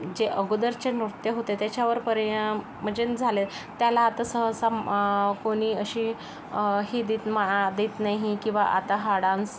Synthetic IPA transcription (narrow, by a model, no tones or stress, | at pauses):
d͡ʑeʔəɡud̪əɾt͡ɕenmɾut̪jəɦot̪et̪jat͡ɕaʋəɾpəɾjã | m̤əd͡ʑend͡zʱale | t̪ːjalaːt̪asəɦəsakoɽ̃iːəɕiː | ɦiːd̪iːt̪maad̪iːt̪naɦikĩw̃ʋa̰ʔa̰t̪aɦaɽãns